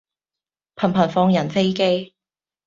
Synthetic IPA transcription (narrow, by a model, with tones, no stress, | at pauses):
pʰɐ˨˩npʰɐ˨˩nfɔː˧ŋjɐ˨˩nfe˥jke˥j